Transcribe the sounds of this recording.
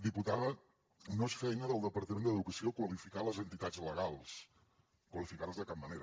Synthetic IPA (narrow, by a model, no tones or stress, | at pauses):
d̪iput̪aðə | noesfɛjnəðəlˠd̪əpəɾt̪əmẽnd̪əðukəsiokwəlifikaləzənt̪it̪ad͡zləɣalˠs | kwəlifikaɾəzðəkap̚məneɾə